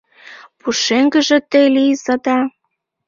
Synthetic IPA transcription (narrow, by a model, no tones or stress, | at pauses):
puʃeŋɡə̆ʒĕt̪elizə̆d̪ɑ